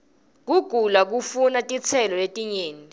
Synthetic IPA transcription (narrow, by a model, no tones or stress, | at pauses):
k̬uɡ̥ʱulak̬ufunatʼit͡sʰɛlɔletʼiɲeːni